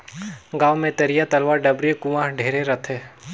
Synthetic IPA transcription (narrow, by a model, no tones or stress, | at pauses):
ɡaːʋmẽt̪ɐɾijat̪ɐlʋaːɾɖɐbɾikʊʋãːɦɖʱeːɾeɾɐt̪ʰɦɛː